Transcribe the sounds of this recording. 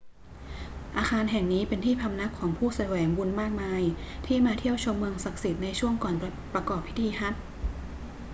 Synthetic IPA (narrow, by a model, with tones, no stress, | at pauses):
ʔaː˧xaː˧nɦɛ˨˩ŋniː˦˥pe˧nt̪ʰiː˥˩pʰa˧mna˦˥kʰːɔː˩˦ŋpʰuː˥˩sa˧wɛː˩˦ŋbu˧nmaː˥˩k̚maː˧jt̪ʰiː˥˩maː˧t̪ʰi˥˩əwt͡ɕʰo˧mːɯ˧əŋsa˨˩k̚si˨˩t̪̚na˧jt͡ɕʰu˥˩əŋkɔː˨˩n | pɾa˧kɔː˨˩pʰːi̥˦˥t̪ʰiː˧ɦa˦˥t̪̚